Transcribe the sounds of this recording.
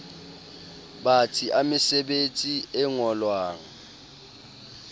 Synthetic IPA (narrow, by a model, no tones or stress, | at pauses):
ɓatʰiamɪsɛɓet͡sʼiɛŋɔlwaːŋa